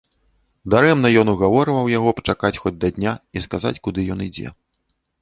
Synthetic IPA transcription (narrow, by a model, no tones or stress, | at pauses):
d̪aɾɛmnɐjɔnuɣavɔɾɨvɐwjaɣɔpɐ̥t͡ʂakat͡sʲxɔd͡zʲd̪ɐd̪ʲnʲaiskaza̰t͡sʲkud̪ɨjɔn̪id͡zʲɛ̰